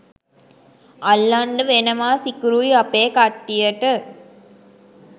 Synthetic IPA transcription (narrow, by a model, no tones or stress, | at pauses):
ɐlːɐɳɖəʋenɐmaːsikuɾujɐpeːkaʈːijɐʈɯ